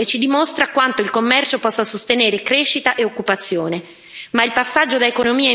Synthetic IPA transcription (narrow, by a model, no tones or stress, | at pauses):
et͡ʃːid̪imost̪ɾakwant̪oilkomːɛrt͡ʃopɔsːasost̪eneːɾekɾeʃːit̪aʔeokːupat̪sːjoːne | mailpasːad͡ʒːod̪aekonomiː